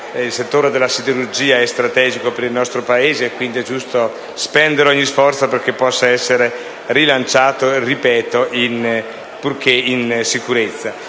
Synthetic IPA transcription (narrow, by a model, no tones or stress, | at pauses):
ilset̪ːoːɾed̪elːasid̪eɾurd͡ʒiːaɛst̪ɾat̪ɛːd͡ʒikopeɾilnɔst̪ɾopaeːzeɛkwind̪iɛd͡ʒust̪o | spɛnd̪eɾeɔɲːisfɔrt̪soperk̟epːɔsːaɛsːeɾe | rilant͡ʃaːt̪oeripɛːt̪oʔin | purkeinsikuɾet̪sːa